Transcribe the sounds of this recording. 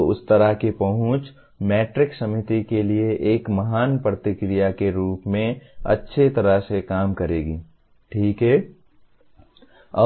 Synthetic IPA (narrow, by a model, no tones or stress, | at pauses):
ʊst̪əɾaɦkepɐɦʊ̃t͡ʃ | mɛːʈɾɪksəmɪt̪ikelieʔeːkmɐɦaːnpɾət̪ɪkɾijakeɾuːpmẽɐ̰tːʃʰet̪ɐɾasekaːmkəɾeːɡiː | ʈʰiːkɦɛː | ɐː